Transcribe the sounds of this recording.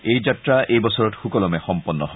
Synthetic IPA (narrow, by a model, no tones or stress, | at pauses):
ejd͡ʑatɹaʔejbɔsɔɹɔtxukɔlɔmɛxɔmpɔnːɔɦɔ